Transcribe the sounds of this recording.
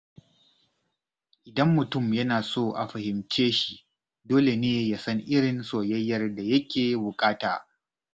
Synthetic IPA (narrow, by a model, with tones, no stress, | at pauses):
ʔɪ˨dɐ˦mːʊ˨tʊ˦˨mjɐ˦naː˨soː˦ʔa̰˨ɸɐ˨hɪ˨mt͡ʃeː˦ʃi˨ | doː˦le˨neː˦jaː˨sɐ˦ŋʔɪ˦ɽɪ˨nsoː˨jɐ˦jːɐ˦rda˨jɐ˦kʲeː˨bʊ˨kʼaː˦ta̰ː˨